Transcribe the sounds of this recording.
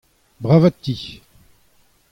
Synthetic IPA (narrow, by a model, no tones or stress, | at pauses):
bʁavat̪ːi